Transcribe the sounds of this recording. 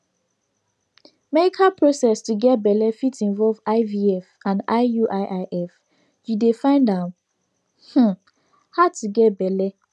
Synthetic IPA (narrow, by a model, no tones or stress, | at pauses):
mɛikʰapɹosɛstuɡɛt̚bɛlɛfitʰĩnvɔlvaɪviɛfãnaɪjuʔaɪʔaɪʔɛf | judefãɪ̃ndãm | h̩ | haʊtʰuɡɛt̚bɛlɛ